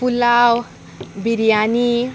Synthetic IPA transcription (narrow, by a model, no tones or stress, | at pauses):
pulaw | biɾjani